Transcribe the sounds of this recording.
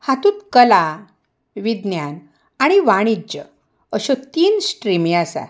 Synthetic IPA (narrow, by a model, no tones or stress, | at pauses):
hat̪ut̪kəla | ʋid̪njan | aɽ̃iʋaɽ̃id͡ʑə̰ | əɕɔt̪iːnsʈɾimĩasa̰